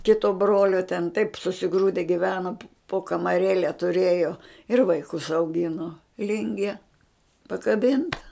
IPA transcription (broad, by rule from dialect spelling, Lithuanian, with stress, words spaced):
ˈkʲɪtoː ˈbroːlʲoː tʲɛn tɐɪp sʊsʲɪˈɡruːdʲɛ ɡʲɪˈʋʲæːnoː poː kɐmɐˈrʲeːlʲɛ tʊˈrʲeːjoː ɪr ʋɐɪˈkʊs ɐʊˈɡʲɪnoː ˈlʲɪŋʲɡʲiɛ pɐkɐˈbʲɪntɐ